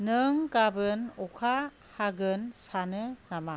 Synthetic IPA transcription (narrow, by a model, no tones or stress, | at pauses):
nɯŋɡabɯnɔkʰa | haɡɯnsanɯŋama